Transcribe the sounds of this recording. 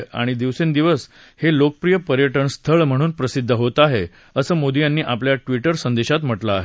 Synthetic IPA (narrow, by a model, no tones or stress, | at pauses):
a̰ɽ̃id̪iʋsend̪iʋəs | helokəpɾijəpəɾjəʈəɳst̪ʰəɭm̤əɽ̃uːnpɾəsid̪ʱːəɦot̪aɦe | əsəːmod̪ijanːiːʔapljaʈʋiʈəɾsənd̪eɕat̪m̤əʈlaːɦe